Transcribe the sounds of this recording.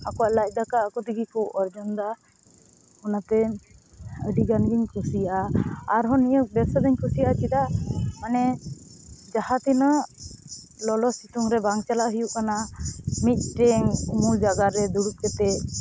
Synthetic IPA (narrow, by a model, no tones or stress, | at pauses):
akɔwaʔlac̚ˀd̪akaːkɔt̪iɡikɔwʔɔɾd͡ʒɔnd̪a | ɔnat̪ɛ | əɖiɡanɡiɲkʰusijʔaːɾɦɔnijək̚bɛsad̪aɲkʰusijaʔat͡ʃid̪amanɛ | d͡ʒahat̪ina | lɔlɔsit̪uŋɾɛbaŋt͡ʃalaʔɦəjuʔkanamit̪̚ˀʈɛŋumuld͡ʒaɡat̪ɾɛd̪uɽut̪̚kɛt̪ɛ